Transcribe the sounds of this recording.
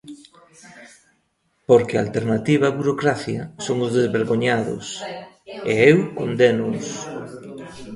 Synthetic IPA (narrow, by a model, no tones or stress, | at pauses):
poɾkea̰lt̪eɾnat̪iβɐβuɾokɾaθjɐsoŋʊzðezβeɾɣoɲaðʊ̰s | eewkond̪enʊs